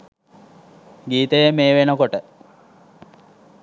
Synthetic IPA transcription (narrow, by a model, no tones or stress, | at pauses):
ɡiːt̪əjəmeːʋenəkoʈə